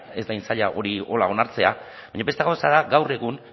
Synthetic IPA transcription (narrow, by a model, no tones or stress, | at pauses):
e̞zd̪ajnsaʎaʔo̞ɾio̞lao̞naɾt͡se̞abaɲabe̞st̪eɣawsaðaɡawre̞ɣun